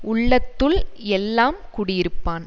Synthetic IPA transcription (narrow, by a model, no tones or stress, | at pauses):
ʊɭːɐt̪ːɯlɛlːaːmkuːɽɪjɪɾɯpːaːn